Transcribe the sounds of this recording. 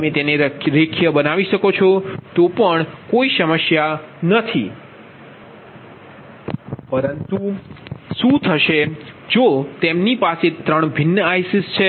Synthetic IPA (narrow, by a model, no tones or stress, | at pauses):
əmet̪eneɾekʰjəbənaʋiʃəkot͡ʃʰot̪opəɳkoisəməʃjanət̪ʰḭ | pəɾənt̪u | ʃũt̪ʰəʃe | d͡ʒot̪emnipaset̪ɾəɳ̃bʱɪnːəajsist͡ʃʰe